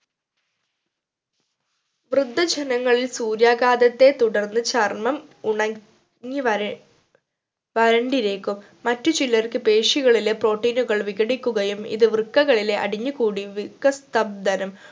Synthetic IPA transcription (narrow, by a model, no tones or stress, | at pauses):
ʋrɨd̪ʱːɐd͡ʑenɐŋːɐɭilsuːɾjaːɡaːd̪ɐt̪ːe̞t̪uɽɐrnːɨt͡ɕɐrmɐmuɳɐ | ŋːi | ʋɐɾɐɳɖiɾe̞ːkːumːɐtːut͡ɕilːɐrkɨpeːʂiɣɐɭile̞pro̞ːʈːiːnuɣɐɭʋiɣɐɽikʲːuɣɐjumḭðɨʋrɨkːɐɣɐɭile̞ʔɐ̰ɽiɲːukuːɽiʋikɐst̪ɐb̚d̪ɐnɐm